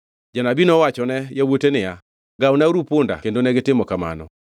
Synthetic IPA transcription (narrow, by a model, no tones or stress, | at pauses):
d͡ʒanabinɔwat͡ʃɔnɛjawotenɪja | ɡawnaɾupʊnda̰kendonɛɡɪtɪmɔkama̰nɔ̰